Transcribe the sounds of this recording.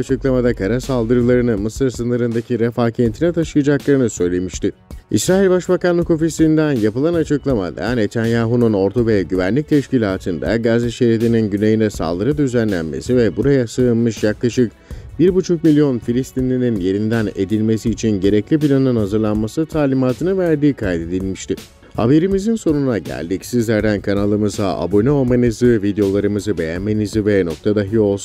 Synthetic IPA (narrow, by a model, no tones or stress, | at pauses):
t͡ʃʰɯklˠamad̪akʰaɾasalˠd̪ɯɾɯlˠaɾɯnɯmɯsɯɾsɯnɯɾɯnd̪acʰiɾɛfaːcʰent̪ʰinɛt̪ʰaʃɯjad͡ʒaklˠaɾɯnɯsø̞jlʲe̞miʃt̪ɪḭsɾaːilʲbaʃbakanlˠɯko̞fisind̪ænjapɯlˠanat͡ʃʰɯklˠama̰d̪a̰net̪ʰænjaːɦununo̞ɾt̪ʰuvɛɟyvænlʲic̚t̪ʰɛʃcilʲaːt̪ʰɯnd̪a̰ɡaziʃeɾet̪ininɟyne̞jinɛsa̰lˠd̪ɯɾɯd̪yzænlʲæ̰nme̞̰sivɛbuɾajasɯɯnmɯʃjaklˠaʃɯk | biɾbut͡ʃʰuk̚milʲjo̞nfilʲist̪ʰinlʲininje̞ɾind̪æne̞d̪ilʲme̞s̬iːt͡ʃʰinɟe̞ɾɛclʲip̬ilʲanɯnhazɯɾlˠanmasɯt̪ʰaːlʲimaːt̪ʰɯnɯvæɾd̪iːkʰajt̪ʰe̞d̪ilʲmiʃt̪ʰɪ | ha̰be̞ɾimizinso̞nunaɟæ̰lʲd̪icsizlʲæɾd̪ænkʰanalˠɯmɯzaʔa̰bonɛo̞manɯzɯvid̪ejo̞lˠaɾɯmɯzɯbe̞jænmenizɯvɛno̞k̚t̪ʰad̪aɦio̞lˠsun